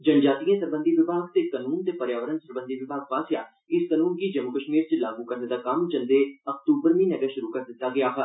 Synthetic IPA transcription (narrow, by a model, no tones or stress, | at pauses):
d͡ʒənd͡ʒaːt̪ijãːsəɾbə̃nd̪iːʋɪbʱaːɡ̚t̪eːkənuːnt̪eːpəɾjaːʋəɾənsəɾbə̃nd̪iːʋɪbʱaːɡ̚paːsjaː | ɪskənuːnkiːd͡ʒəmʊkəʃmiːɾt͡ʃlaːɡuːkəɾneːd̪aːkəmd͡ʒənd̪eːək̚t̪uːbəɾmĩːnəɡəːʃʊɾuːkəɾd̪ɪt̪ːaːɡɪjaːɦə